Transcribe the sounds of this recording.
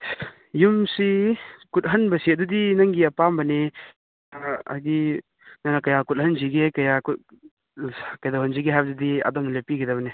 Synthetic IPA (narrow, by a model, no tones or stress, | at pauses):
jumsikut̚ɦɐnbɐsiɐdudinɐŋɡiɐpambɐne | a̰jdi | nanakɐjakut̚hɐnziɡekɐjaku | kɐjdawɦɐnziɡeɦajbɐdudia̰dɔmnɐlepiɡidɐβɐne